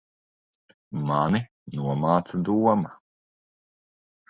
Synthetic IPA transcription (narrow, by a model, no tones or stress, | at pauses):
mani | nuɔmaːt̪sad̪uɔma